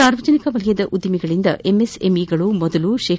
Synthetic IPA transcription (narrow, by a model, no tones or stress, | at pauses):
aːɾʋɐd͡ʒɐnikɐʋɐlijɐd̪ɐʔud̪ːɐmiɡɐɭind̪ɐ̰ʔemesemiɡɐɭumɔd̪ɐluʃeː